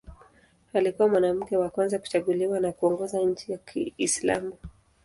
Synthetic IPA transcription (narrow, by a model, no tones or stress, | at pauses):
alikuwamwanam̩kɛwakwanzaku̥t͡ʃaɠuliwanakuɔŋɡɔzaɲ̩t͡ʃijakʰḭːsla̰mu